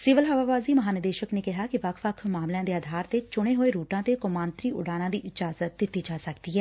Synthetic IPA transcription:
sɪʋəlɦəʋaːʋaːziːməɦaːnəd̪eːʃəkneːkɪɦaːkɪʋəkʰʋəkʰmaːmljãːd̪eːaːd̪ʱaːɾt̪eːt͡ʃʊɽ̃eːɦoːeːɾuːʈãːt̪eːkʊmãːnt̪ɾiːʔʊ̰ɖaːnãːd̪iːʔɪd͡ʒaːzət̪̚d̪ɪt̪ːiːd͡ʒaːsəkd̪iːɦɛː

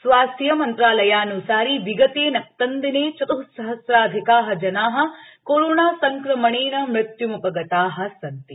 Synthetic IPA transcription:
sʋaːsjɐmɐnt̪ɾaːlɐjaːnusaːɾiʋiɡɐt̪eːnɐk̚t̪ɐnd̪ineːt͡ʃɐt̪ɐɦusɐɦɐsɾaːd̪ʱikaːɦɐd͡ʒɐnaːɦɐ̆ | koɾoːnaːsɐŋkɾɐmɐɳeːnɐmɾɪt̪jumupɐɡɐt̪aːɦɐsɐnt̪i

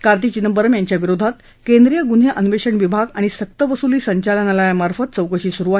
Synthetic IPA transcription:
kaɾt̪̬iːt͡ɕinəbəɾəmjaɲt͡ɕjaʋiɾod̪ʱat̪ | kend̪ɾijəɡun̤eʔənuʋeɕəɳʋibʱaɡaɽ̃isək̚t̪əʋəsuliːsəɲt͡ɕalənalajamaɾfət̪̚t͡səwkəɕiːsuɾua

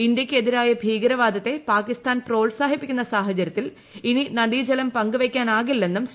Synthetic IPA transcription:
ind̪jɐkʲːɨe̞ðiɾaːjɐbʱiːɡɐɾɐʋaːd̪ɐt̪ːe̞paːkist̪aːnpro̞ːɭsaːɦipːikʲːunːɐsaːɦɐt͡ɕɐɾjɐt̪ːil | ininɐd̪iːd͡ʑɐlɐmpɐŋɡɨʋekʲːaːnaːɣilːe̞nːums

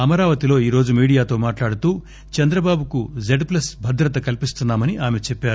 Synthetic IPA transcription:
ɐmɐɾaːʋɐt̪ilo̞ːiːɾo̞ːd͡ʒumiːɽijaːt̪o̞ːmaːʈlaːɽut̪uː | t͡ʃɛnd̪ɾɐbaːbukud͡ʒeɖplɐsbʱɐd̪ɾɐt̪ɐkɐlpist̪unːaːmɐniʔaːme̞t͡ʃepːaːɾu

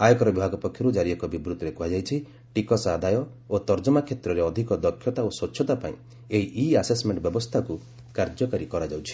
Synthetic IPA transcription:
ajɔkɔɾɔbibʱaɡɔpɔkʰjɔɾud͡ʒaɾiekɔbibɾut̪ɔɾekuɦad͡ʒajt͡ʃʰi | ʈikɔsad̪ʱajɔ | ot̪ɔɾd͡ʒɔmakʰjet̪ɾɔɾeɔd̪ʱikɔd̪ɔkʰjɔt̪aoswɔtːʰjɔt̪apãĩ | eɦiʔiasesmeɳʈbjɔbɔst̪ʰaku | kaɾd͡ʒɔkaɾikɔɾad͡ʒawt͡ʃʰi̥

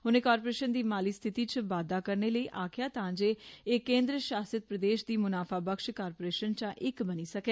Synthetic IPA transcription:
ɦʊnẽːkaːɾpoːɾeːʃənd̪iːmaːliːst̪ʰɪt̪iːt͡ʃʋaːd̪aːkəɾneːləiːʔaːkʰɪjaːt̪ãːnd͡ʒeːeːkẽːnd̪ɾəʃaːsət̪̚pɾəd̪eːʃd̪iːmʊnaːfʰaːbəkʃkaːɾpoːɾeːʃənt͡ʃãːʔɪkbəniːsəkeː

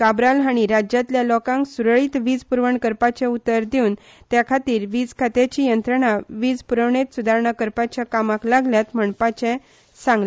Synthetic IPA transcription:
kabɾalɦaɽ̃iɾad͡ʑjat̪ljalɔkãŋksuɾɭiːt̪ʋiːd͡zpuɾʋəɳkəɾpat͡ɕɛ̃ut̪ːəɾd̪eun | t̪jakʰat̪iːɾʋiːd͡zkʰat̪jat͡ɕijənt̪ɾəɳaʋiːd͡zpuɾəʋɳet̪sud̪ʱaɾɳakəɾpat͡ɕjakamãklaɡljat̪m̤əɳpat͡ɕɛ̃ | sãŋɡl

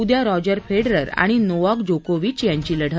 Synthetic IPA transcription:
ud̪jaɾɔd͡ʑəɾfeɽɾəɾa̰ɽ̃inoʋakd͡ʑokoʋiːt͡ɕjaɲt͡ɕiːləɽ̤ʱə

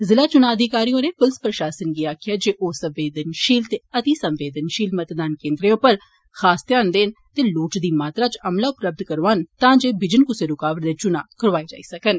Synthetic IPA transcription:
zɪlaːt͡ʃʊnaːəd̪ʱikaːɾiːõːneːpʊlspɾəʃaːsənɡiːaːkʰjaːd͡ʒeːʔoːsə̃mʋeːd̪ənʃiːlt̪eːət̪iːsə̃mʋeːd̪ənʃiːlmət̪d̪aːnkẽːnd̪ɾeõpəɾ | xaːst̪jaːnd̪eːnt̪eːloːʈd̪iːmaːt̪ɾaːt͡ʃəmlaːʊpləb̚d̪kəɾʋaːnt̪ãːd͡ʒeːbɪd͡ʒənkʊseːɾʊkaːʋəɾd̪eːt͡ʃʊnaːkəɾʋaːed͡ʒa̰ːiːsəkən

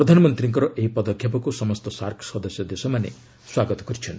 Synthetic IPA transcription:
pɾɔd̪ʱanɔmɔnt̪ɾiŋkɔɾɔʔeɦipɔd̪ɔkʰjapɔkusɔmɔst̪ɔsaɾkʰsɔd̪ɔsjɔd̪esɔmanḛ | swaɡɔt̪ɔ̥kɔɾit͡ʃʰɔn

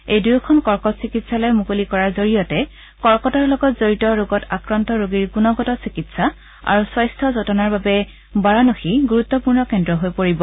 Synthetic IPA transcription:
ejdujɔkʰɔnkɔɹkɔtsikitsalɔjmukolikɔɹaɹzoɹijɔtɛ | kɔɹkɔtaɹlɔɡɔtzoɹitɔɹoɡɔtakɹantɔɹoɡiɹkunɔɡɔtɔsikitsa | a̰ɹuswajstʰɔzɔtɔnaɹbabɛ | baɹanoxiɡuɹut̪ːɔpuɹnɔkɛndɹɔɦojpoɹibɔ

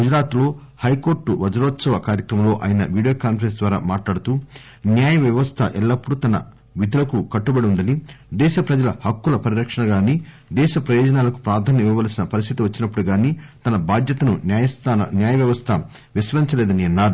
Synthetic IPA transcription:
ɡud͡ʒɾaːt̪lo̞ː | hɐjko̞ːɾʈːuʋɐd͡ʒɐɾɔːt̪sɐʋɐkaːɾjɐkɾɐmɐlo̞ːʔa̰ːjɐnɐ̰ʋiːɽijoːkaːnpɾensd̪ʋaːɾa̰ːmaːʈlaːɽut̪uː | njaːjɐʋjɐʋɐst̪ʰɐ̰ʔɛlːɐpːuɽut̪ɐnɐ̰ | ʋid̪ʱulɐkukɐʈːubɐɽiund̪ɐnid̪ɛːʃɐpɾɐd͡ʒɐlɐhɐkːulɐpɐɾiɾɐkʂɐɳɐɡaːniː | d̪ɛːʃɐpɾɐjɔːd͡ʒɐnaːlɐku̥pɾaːd̪ʱaːnjɐmijɐʋaːlsinɐpɐɾist̪ʰit̪iʋɐt͡ʃːinɐpːuɽuɡaːniːt̪ɐnɐbʱaːd̪jɐt̪ɐnunːjɐst̪ʰanɐnjaːjɐʋjɐʋɐst̪ʰɐ | ʋisʋɐiɲt͡ʃɐlɛːd̪ɐniɐnːaːɾu

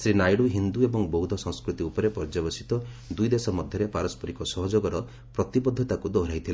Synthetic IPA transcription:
sɾinajɽuɦind̪uebɔŋbɔwd̪ʱɔsɔ̃ŋ̃skɾut̪iupɔɾepɔɾd͡ʒabɔsi̥t̪ɔ | d̪ujd̪esɔmɔd̪ʱjɔɾepaɾɔspɔɾikɔsɔɦɔd͡ʒoɡɔɾɔ | pɾɔt̪ibɔd̪ʱːɔt̪akud̪ɔɦɾajt̪ʰil

